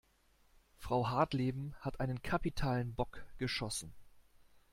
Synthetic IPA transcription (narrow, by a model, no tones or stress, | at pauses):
fʁ̥aʊɦaɐtleːbm̩hatʔaɪnənkʰapitʰaːlənbɔkɡ̥əʃɔsn̩